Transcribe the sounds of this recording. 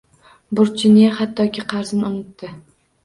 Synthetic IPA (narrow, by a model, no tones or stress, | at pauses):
bʊɾt͡ʃʰɪnɪjahat̪ːɒkʲɪqʰɑɾzɪnonɪt̪ːɪ